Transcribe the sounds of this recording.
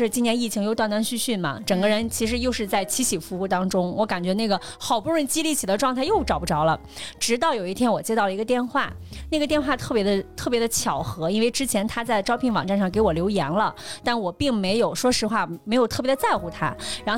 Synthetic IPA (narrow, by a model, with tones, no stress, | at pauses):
ʂɻ̩˥˧t͡ɕi˥njɛ˧˥ni˥˩t͡ɕʰi˧˥ŋjo˧˥ʊt̪wa˥˩nt̪wa˥nɕy˥˧ɕy˥˩nmɐ̰˩ʈ͡ʂɤ˨˩ŋɡə˦ɻə˧˥nt͡ɕʰi˧˥ʂɻ̩˧˥jo˥˧ʊʂɻ̩˥˧t͡sa˥˩ɪt͡ɕʰi˧˥t͡ɕʰi˨˩fu˧˥u˥˩t̪ɑ˥ŋʈ͡ʂʊ˥ŋwɔ˧˥ka˨˩nt͡ɕɥɛ˧˥na˥˩ɡə˩ | xɑ˨˩ʊpu˥˧ɻwə˥˩nt͡ɕi˥li˥˩t͡ɕʰi˨˩d̪ə˦ʈ͡ʂwɑ˥˧ŋt̪ʰa˥˧ɪjo˥˩ʊʈ͡ʂɑ˨˩ʊpu˧ʈ͡ʂɑ˧˥ʊlə˨ | ʈ͡ʂɻ̩˧˥t̪ɑ˥˩ʊjo˨˩ʊi˥˩t̪ʰjɛ˥nwɔ˨˩t͡ɕjɛ˥t̪ɑ˥˩ʊlə˩i˧˥ɡə˧t̪jɛ˥˧nxwa̰˥˩na˥˩ɡə˩t̪jɛ˥˧nxwa˥˧t̪ʰɤ˥˩pjɛ˧˥d̪ə˧t̪ʰɤ˥˩pjɛ˧˥d̪ə˧t͡ɕʰjɑ˨˩ʊxɤ˧˥i˥nwe˥˧ɪʈ͡ʂɻ̩˥t͡ɕʰjɛ˧˥nt̪ʰa˥t͡sa˥˩ɪʈ͡ʂɑ˥ʊpʰi˥˩nwɑ̰˨˩ŋʈ͡ʂa˥˧nʂɑ˥˩ŋke˧˥ɪwɔ˨˩ljo˧˥ʊjɛ˧˥nlə˧t̪a˥˩nwɔ˨˩pi˥˩ŋme˧˥ɪjo˨˩ʊʂwɔ˥ʂɻ̩˧˥xwa˥˩me˧˥ɪjo˨˩ʊt̪ʰɤ˥˩pjɛ˧˥d̪ə˧t͡sa˥˧ɪxu˧˩t̪ʰa̰˥ɻa˧˥o˥˧